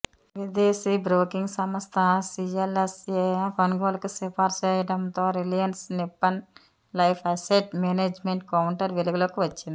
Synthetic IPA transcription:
ʋid̪eːsibɾoːkiŋɡsɐmɐst̪ʰɐsielesepɐnɡoːlɐkusepʰaːɾt͡ʃɛːjɐʈɐnt̪oːɾelijɐnsnipːɐn | lɐjpʰɐseʈmeːneːd͡ʒmeɳʈkɐwɳʈɐɾʋeluɡloːkiʋɐt͡ʃːind̪i

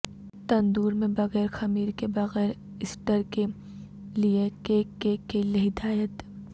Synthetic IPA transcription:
t̪ɐ̃nd̪uːɾmẽbɐɣɛːɾxɐmiːɾkebɐɣɛːɾ | ɪsʈəɾke | liekekekeleɦɪd̪aːjət̪

